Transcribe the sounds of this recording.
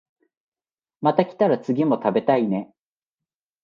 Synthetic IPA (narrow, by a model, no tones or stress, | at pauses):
mat̪akʲi̥t̪aɾat͡sɨɡʲimo̞t̪abe̞t̪aine̞